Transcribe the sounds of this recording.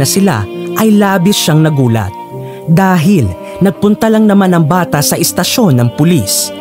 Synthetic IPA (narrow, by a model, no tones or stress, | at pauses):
ɐsɪla̰ʔɐjlaːbɪʃaŋnɐɡuːlɐ̰t̪̚ | d̪aːɦɪl | nɐɡ̚pʊnt̪alɐŋnɐmanɐŋbaːt̪ɐsɐʔɛst̪ɐʃo̞nːɐŋpʊlis